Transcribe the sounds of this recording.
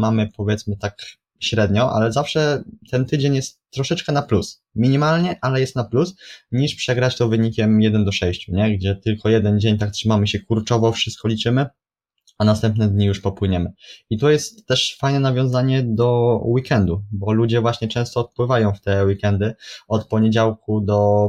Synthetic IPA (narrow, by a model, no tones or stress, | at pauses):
mamɘpɔvʲjɛt̪smɘt̪ak | ɕɾɛd̪ɲɔʔa̰lɛzafʂɛt̪ɛnt̪ɘd͡ʑeɲjɛst̪ːɾɔʂɛt͡ʂkɛnaplus | mʲiɲimalɲɛʔalɛjɛst̪naplusɲiʂpʂɛɡɾat͡ɕt̪ɔvɘɲikʲɛmjɛd̪ɛnd̪ɔʂɛjɕt͡ɕuɲɛɡd͡ʑɛt̪ɘlkʰɔjɛd̪ɛnd͡ʑeɲt̪ak̚t̪ʂɘmamɘɕɛkuɾt͡ʂɔvɔfʂɘst̪̚kɔlʲit͡ʂɘmɘ | anast̪ɛmpnɛd̪ɲijuʂpɔpwɘɲɛmɘit̪ujɛst̪ːɛʂfajnɛnavʲjɔ̃w̃zaɲɛd̪ɔwikɛnd̪ubɔlud͡ʑɛvwaɕɲɛt͡ʂɛ̃w̃st̪ɔt̪̚pwɘvajɔ̃w̃ft̪ɛwikɛnd̪ɘɔt̪pɔɲed͡ʑawkud̪ɔ